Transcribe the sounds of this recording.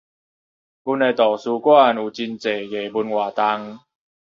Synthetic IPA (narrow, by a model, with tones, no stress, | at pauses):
ku˧ne˧t̪ɔ˨˩su˧kwa˥˨nu˨˩t͡ɕi˧nt͡se˨˩˦je˨˩bu˧nwa˨˩t̪a˧ŋ